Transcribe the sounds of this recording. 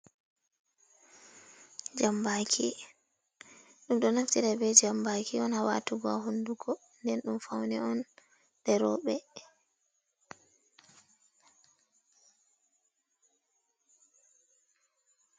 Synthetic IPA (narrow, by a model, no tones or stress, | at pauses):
d͡ʒambakʰḭ | ɗumɗɔnaftiɾabɛd͡ʒambakʰiɔnhawa̰tuɡɔaɦunduɡɔ | ndɛnɗumfawnɛɔn | dɛɾɔ̰ɓɛ